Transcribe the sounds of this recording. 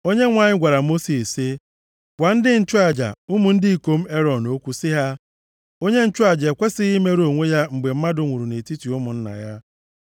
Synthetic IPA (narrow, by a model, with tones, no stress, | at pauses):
o˦ɲe˦ŋʷa˨ɲɪ˦ɡʷa˨ɾa˨mo˦si˨sse˦ | ɡʷa˨n̩˦dɪ˦n̩˦t͡ʃʊ˦a˨d͡ʒa̰˨ʊ˦mu˨n̩˦dɪ˦i˨ko˦m̩˦e˦ɾɔ˨no˦kʷu˦sɪ˦ɦa˦ | o˦ɲe˦n̩˦t͡ʃʊ˦a˨d͡ʒe˨kʷe˦sɪ˦i˦me˦ɾo˨ŋʷe˦ja˦ŋ͡m̩˨ɡ͡be˨m̩˦ma˦dʊ˨ŋʷu˨ɾu˨ne˨ti˦ti˨ʊ˦mʊ˨n̩˦na̰˨ja˦